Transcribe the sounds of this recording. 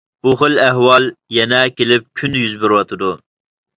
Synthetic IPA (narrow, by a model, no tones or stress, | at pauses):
b̥uχəlæɦwɑlˠjɛnɛkʲelɪp̚kʲʰynjyzbyɾwɑt̪ʰɨd̪u